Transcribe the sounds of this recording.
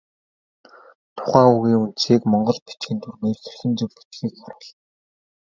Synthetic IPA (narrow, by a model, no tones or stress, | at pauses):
t̪ʰʊ̥χæːuɣiːŋun̥t͡siːkmɔɴɢɞ̆ɮpit͡ɕɡiːnt̪ʰurmeːrxerxɘ̆nt͡sɵwpi̥t͡ɕɡiːkpaɾʊːɮ